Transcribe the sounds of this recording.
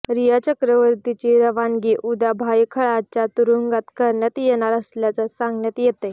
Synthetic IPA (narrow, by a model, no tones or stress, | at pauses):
ɾijət͡ɕəkɾəʋəɾt̪it͡ɕiːɾəʋaŋɡiːʔud̪abʱajkʰəɭat͡ɕjat̪uɾuŋɡat̪kəɾɳjat̪jeñaɾəsljat͡sasaŋɡɳjat̪jet̪e